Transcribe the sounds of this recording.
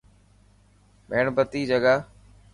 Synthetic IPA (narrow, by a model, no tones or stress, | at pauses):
meːɳbət̪iːd͡ʒəɡaː